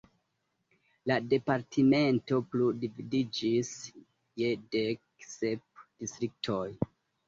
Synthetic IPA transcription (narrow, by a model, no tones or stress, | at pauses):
lade̞paɾtʰime̞nto̞pludividid͡ʒis | jedeksep̚d̥istɾik̚tʰo̞j